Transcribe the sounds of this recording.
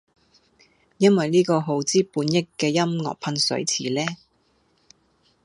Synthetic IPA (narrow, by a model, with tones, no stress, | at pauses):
jɐ˥nwɐ˨jliː˥kɔː˧ɦo˨˥wt͡siː˥puː˨˧˥njɪ˥kːɛː˧jɐ˥mŋɔ̰ː˨k̚pʰɐ˧nsɵ̰˨˥ɥt͡sʰiː˨˩lɛː˥